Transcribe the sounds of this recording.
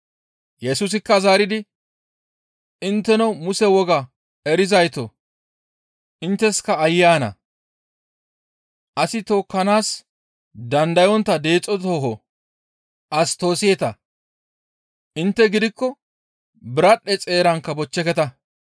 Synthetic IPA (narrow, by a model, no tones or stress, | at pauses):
jɛsuːs̬ɪkːɐzaːɾɪd̪ɪ | ɪnt̪ːɛnɔmʊsɛwɔɡɐ | ɛɾɪzɐjt̪ɔ | ʔɪnt̪ːɛskɐːjːaːnɐ̰ | ʔɐsɪt̪o̞ːkːɐnaːs | d̪ɐnd̪ɐjɔnt̪ːɐd̪e̞ːt͡sʼːɔt̪oːɦɔ | ʔɐst̪o̞ːsɪjɛt̪ɐ | ʔɪnt̪ːɛɡɪd̪ɪkːɔ | bɪɾɐɗːɛt͡sʼe̞ːɾɐŋkːɐbɔt͡ʃːɛkɛt̪ɐ